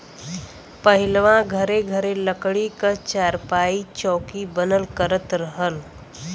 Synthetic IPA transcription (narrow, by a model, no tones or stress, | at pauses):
pəɦɪlʋãɡʱəɾeɡʱəɾeləkɽikət͡ʃaːɾpaːit͡ʃɔ̃ːkibənəlkəɾət̪ɾəɦəl